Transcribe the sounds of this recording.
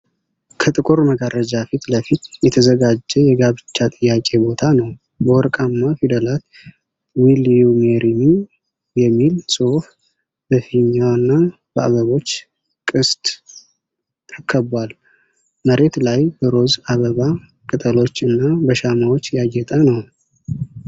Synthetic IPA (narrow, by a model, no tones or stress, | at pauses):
kʰət̪ʼɨkʼuɾməɡarəd͡ʒafit̪ləfit̪jɛt̪ʰəzəɡad͡ʒːɛjɛɡaβɨt͡ʃːat̪ʼɨjːakʼe̞bo̞t̪ʰanəw | bəwɔɾkʼamːafid̪əlat̪ | wiliumeɾimi | jɛmːilsʼof | bəfiɲːanːa | b̥əʔa̰βəβo̞t͡ʃː | kʼɨst̪ʼ | əkʰːəbwal | məɾe̞t̪lajbəɾo̞zaβəβa | kʼɨt̪ʼəlo̞t͡ʃːɨnːabəʃamawot͡ʃːjajɛt̪ʼənəw